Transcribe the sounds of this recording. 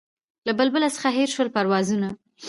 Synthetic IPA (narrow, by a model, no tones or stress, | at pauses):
labəlbəlasə̥xaɦeɾʃwəlpaɾwɑzuna